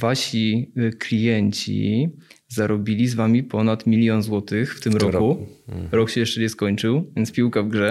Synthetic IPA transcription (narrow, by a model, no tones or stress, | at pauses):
vaɕiklʲijɛɲt͡ɕḭ | zaɾɔbʲilʲizvamʲipɔnat̪mʲilʲjɔnzwɔt̪ɘxft̪ɘmɾɔkuɾɔkɕɛjɛʂt͡ʂɛɲɛskɔɲt͡ʂɘwvʲjɛnt̪spʲiwkavɡʐɛ